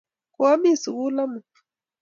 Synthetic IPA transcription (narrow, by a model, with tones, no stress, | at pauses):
ku˨˦a˦mi˦˨su˨ku˦la˦mu˨